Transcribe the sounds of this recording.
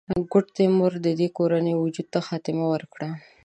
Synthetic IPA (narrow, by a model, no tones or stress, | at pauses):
ɡʊʈt̪emʊɾd̪əd̪ekoɾanəjwʊd͡ʒud̪̚t̪axɑt̪ɪmawəɾkɽa